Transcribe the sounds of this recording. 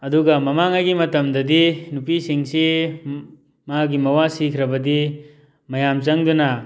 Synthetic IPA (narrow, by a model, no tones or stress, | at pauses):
ɐduɡɐmɐmaŋaɡimɐtɐmdɐdinupisiŋsi | maɡimɐwasikʰɾɐbɐdi | mɐjamt͡ʃɐŋduna